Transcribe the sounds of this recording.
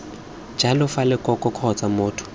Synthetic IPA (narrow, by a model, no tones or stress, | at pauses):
d͡ʒʱalɔfalɛkʼɔkʼɔkʰɔt͡sʼamʊːtʰʊ̥